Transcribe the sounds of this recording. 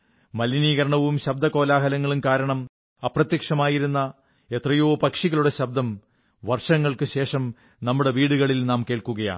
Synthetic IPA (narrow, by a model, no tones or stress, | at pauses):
mɐliniːɣɐɾɐɳɐʋumɕɐb̚d̪ɐko̞ːlaːɦɐlɐŋːɐɭumkaːɾɐɳɐm | ɐprɐt̪jɐkʂɐmaːjiɾunːɐ | et̪rɐjoːpɐkʂiɣɐɭuɽe̞ɕɐb̚d̪ɐm | ʋɐrʂɐŋːɐɭkɨɕe̞ːʂɐm | nɐmːuɽe̞ʋiːɽuɣɐɭilnaːmke̞ːɭkuɣɐja̰ː